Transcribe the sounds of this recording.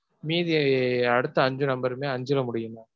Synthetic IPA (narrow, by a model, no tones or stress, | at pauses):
miːðɪɐɽɯt̪ːɐɐɲd͡ʒɯnɐmbɐɾmeːɐɲd͡ʒɯɾɐmʊɽɪjɯmãː